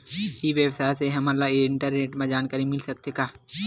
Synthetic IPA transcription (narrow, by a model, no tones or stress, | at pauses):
iʋjəwsaːseɦɐmalaeɪ̃ɳʈəɾneːʈmẽd͡ʒaːnkəɾimɪlsɐk̚t̪ekaː